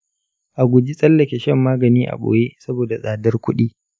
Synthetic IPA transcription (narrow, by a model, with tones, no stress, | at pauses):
ʔa˨ɡʷʊ˨d͡ʒi˦sʼɐ˦lːɐ˨kʲe˨ʃɐ˦mːaː˦ɡɐ˨niː˦ʔa̰˨ɓo̰ː˨je˦sɐ˦boː˨da˨sʼaː˨dɐ˦rkʷʊ˦ɗiː˦